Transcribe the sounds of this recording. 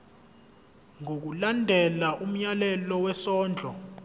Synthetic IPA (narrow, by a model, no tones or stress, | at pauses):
ŋok̬ulandʱɛlaʔum̩ɲalɛlɔwɛsɔːnd͡ɮʱɔ